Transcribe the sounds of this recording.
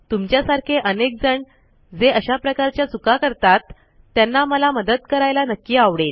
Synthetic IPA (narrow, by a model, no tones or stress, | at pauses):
t̪umt͡ɕjasaɾkʰeʔənek̚d͡zəɳ | d͡zeʔəɕapɾəkaɾt͡ɕjat͡sukakəɾt̪at̪ː | janːaməlaməd̪ət̪kəɾajlanəkːiːaʋɽel